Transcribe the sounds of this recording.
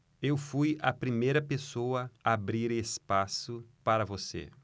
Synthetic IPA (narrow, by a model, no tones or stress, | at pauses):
ewfujɐ̰pɾimejɾɐpesowɐaːbɾiɾespasʊpaɾɐvosḛ